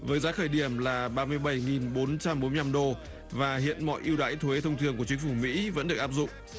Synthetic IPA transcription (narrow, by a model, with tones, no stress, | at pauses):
vəː˨˦jzaː˨˦xəː˧˩jɗi˧˩əmlaː˨˩ɓaː˧mɨ˧əjɓə˧˩jŋi˨˩nɓo˨˦nt͡ɕa˧mɓo˨˦nmɨ˧jna˧mɗo˧˩ | vaː˨˩hḭ˧˨ənmɔ̰˧˨jʔi˧əwɗa̰ː˧˥jt̪ʰwe˨˦t̪ʰə˧wŋ͡mt̪ʰɨ˧əŋku˧˩ət͡ɕi˨˦ŋ̟fu˧˩mḭ˧˥və̰˧˥nɗɨ˨˩ək̚ʔaː˥p̚zʊ̰˧˨ŋ͡m